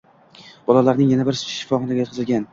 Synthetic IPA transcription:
b̥ɒlˠalaɾnɪŋjanabɪɾsʊ̥t͡ʃʰɪ̥ʃːɪ̥fɒχɒnaɡʲajot̪qʰɨzɪlɡʲan

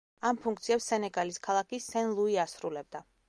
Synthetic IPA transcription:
ampʰuŋk̚ʰt̪sʰiɛpsːɛnɛɡaliskʰalˠakisɛnlˠuiasɾulɛb̚d̪a

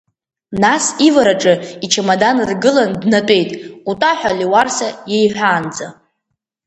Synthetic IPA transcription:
nasivaɾaʈ͡ʂʼɨit͡ʃʰamadanɨrɡɨlandnatʼe̞jtʼutʼaħʷᶣaliwarsajejħʷᶣaːnd͡za

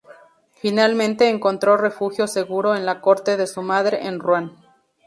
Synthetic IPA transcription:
finalmẽ̞nt̪e̞ːŋko̞nt̪ɾo̞re̞fuxjo̞se̞ɣuɾo̞enlako̞ɾt̪e̞ðe̞sumaðɾe̞̰ʔenrwan

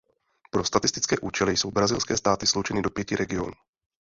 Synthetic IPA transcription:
pɾo̞st̪at̪ɪst̪ɪt͡skɛːʔuːt͡ʃɛlɪjso̞wbɾazɪlskɛːst̪aːt̪ɪslowt͡ʃɛnɪdopjɛcɪɾɛɡɪo̞nuː

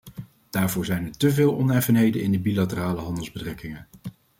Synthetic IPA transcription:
d̥aːɹvʊːɹzɛjnɛɹtəvɪːlˠɔnɛfənɦejdənɪ̰ndəbilatəraːləɦɑndəlˠzbətrɛkɪŋən

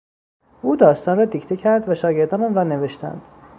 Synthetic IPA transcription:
uːd̪ɒːst̪ɒːnɾɒːd̪icʰt̪ʰecʰæɾd̪væʃɒːɟe̞ɾd̪ɒːnɒːnrɒːne̞ve̞ʃt̪ʰæ̰nd̪̥

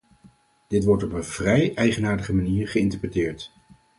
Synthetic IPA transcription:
d̥ɪtʋɔɹtɔpənv̥rɛjʔɛjχənaːɹdəχəmaniːɹχəɪntəɹprətɪːɹt

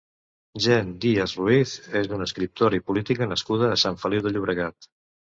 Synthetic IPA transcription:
ʒɛnd̪iazruiθezd̪unəskɾip̚t̪oɾəipulit̪ikənəskuð̞əːsaɱfəliwðəʎuβɾəɣat̪

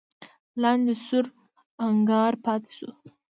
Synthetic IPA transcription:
lɑnd̪esʊɾ | aŋɡɑɾpɑt̪e̥sṵ

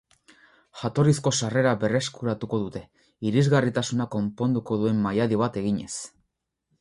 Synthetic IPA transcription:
ʝat̪o̞ɾisko̞sare̞ɾaβe̞re̞skuɾat̪uko̞ðut̪e̞ | iɾizɣarit̪asunako̞mpo̞nd̪uko̞ðue̞mːajaðiβ̞at̪e̞ɣiɲe̞̰s

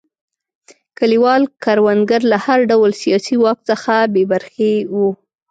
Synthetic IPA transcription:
kaliwɑlkaɾwanɡaɾlahaɾɖawlsijɑsiwɑk̚t͡səxabebaɾxewu

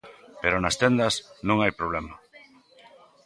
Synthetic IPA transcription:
peɾonɐst̪end̪ɐsnõŋajpɾoβlɛmɐ

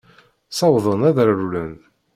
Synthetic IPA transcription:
sɑwðˤənæðəɾɾulən

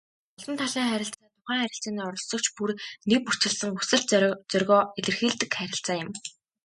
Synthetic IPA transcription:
ɔɮɞ̆nt̪ʰaɮiːŋχæɾʲɪ̆ɬt͡saːt̪ʰʊχæːŋχæɾʲɪ̆ɬt͡siːniːɔɾɞ̆ɮsɞ̆k̚t͡ɕpurnek̚pur̥t͡ɕɪ̆ɮsə̆ŋusɘ̆ɬt͡sœrʲɣɔːeɮɘ̆rxiːɮt̪ɘ̆kχæɾʲɪ̆ɬt͡saːjʊ̆m

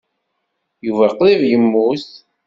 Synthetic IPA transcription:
juvæqlivjəmːus

